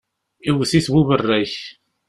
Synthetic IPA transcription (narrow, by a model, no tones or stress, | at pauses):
iwθiθwuvərːæç